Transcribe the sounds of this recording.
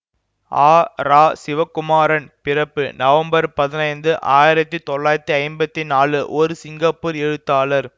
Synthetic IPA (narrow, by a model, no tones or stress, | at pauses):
aːɾaːsɪʋɐkːʊmaːɾɐnpɪɾɐpːɯnɐʋɐmbɐɾpɐðɪnɐɪnd̪ɯʔaːjɪɾɐt̪ːit̪ɔɭːaːjɾɐt̪ːiɐɪmbɐt̪ːinaːlɯʔɔɾɯsɪŋɡɐpːuːɾɛɻɯt̪ːaːlɐɾ